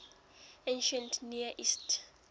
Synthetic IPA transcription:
ẽnʃə̃ntʰniəʔist

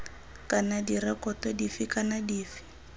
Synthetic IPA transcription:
kʼanadiɾɛkʼɔtɔdifikʼanadiːfi̥

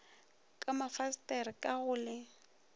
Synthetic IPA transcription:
kʼamafastʼɛrɪkʼaɣʊːlɛ

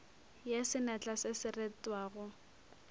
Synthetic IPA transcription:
jesɪnat͡ɬʼasɪsɪretʼwaːɣʊ

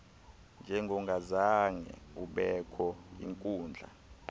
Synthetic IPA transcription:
nd͡ʒʱɛŋɡʱɔŋɡʱazaŋɛ̰uɓɛkʰɔḭŋkʼuːnd͡ɮʱa̰

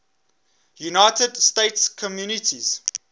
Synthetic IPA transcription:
junaɪtədsteɪtskʰɔmjunɪtʰiz̥

